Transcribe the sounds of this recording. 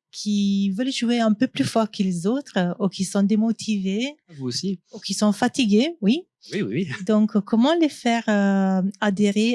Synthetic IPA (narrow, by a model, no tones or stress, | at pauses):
kʲʰivœlʒueɛ̃pøplyfɔʁkʰəlezot̪χəukisɔ̃d̪emɔt̪ʰivevuosiukisɔ̃fat̪iɡewi | wiwid̪ɔ̃kkɔmɑ̃lefɛʁøad̪eʁe